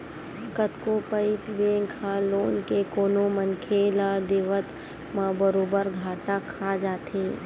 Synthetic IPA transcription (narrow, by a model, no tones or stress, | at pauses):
kət̪kopəɪt̪bẽːŋkʰaloːnkekoːnomənkʰelad̪eːʋət̪ | mãbəɾoːbəɾɡʱaːʈakʰad͡ʒaːt̪eː